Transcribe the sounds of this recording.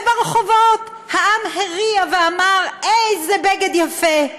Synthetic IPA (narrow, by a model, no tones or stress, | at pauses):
baʁeχovot | haamheʁiaveamaʁejzebeɡed̪jafe